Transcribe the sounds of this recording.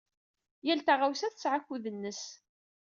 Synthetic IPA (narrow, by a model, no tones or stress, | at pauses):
jælt̪aʁawsæθə̥sʕakːuðənːəs